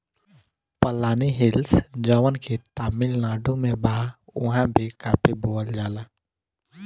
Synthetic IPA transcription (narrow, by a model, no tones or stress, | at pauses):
pəlaːniɦɪlsd͡ʒəʋənkʰet̪aːmɪlnaːɖõmẽbaːʊ̰ɦãbʱikaːpʰiboːəld͡ʒaːlaː